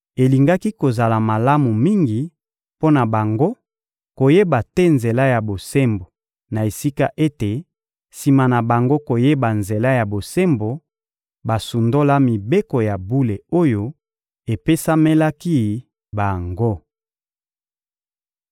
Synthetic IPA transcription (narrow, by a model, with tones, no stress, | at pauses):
e˨li˨ŋɡa˦ki˦ko˨za˨la˨ma˨la˦mu˨mi˦ŋɡi˨ | po˦na˨ba˨ŋɡo˦ | ko˨je˦ba˨tɛ˦nze˨la˦ja˨bo˨se˦mbo˨ | na˨e˨si˦ka˦ʔe˦te˨ | si˨ma˨na˨ba˨ŋɡo˦ko˨je˦ba˨nze˨la˦ja˨bo˨se˦mbo˨ | ba˨su˨ndo˦la˦mi˨be˦ko˨ja˨bu˦le˨o˦jo˦ | e˨pe˦sa˦me˦la˦ki˦ | ba˨ŋɡo˦